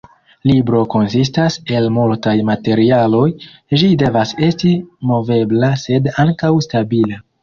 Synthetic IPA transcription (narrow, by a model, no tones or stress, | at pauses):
libɾo̞ko̞nsistase̞lmultajmate̞ɾialo̞j | d͡ʒide̞vase̞stimo̞ve̞blase̞daŋkawstabila